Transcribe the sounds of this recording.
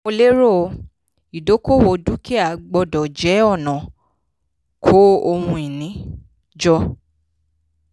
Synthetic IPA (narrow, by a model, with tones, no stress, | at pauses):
o˧le˦ɾo˦˨˧ | i˨do˨˦ko˦˨wo˧du˨˦ki˦a˨ɡ͡bɔ˧dɔ˨d͡ʒɛ˨˦ɔ˦˨nã˨ | kʰo˦o˧hũ˧i˨nĩ˨˦ | d͡ʒɔ˧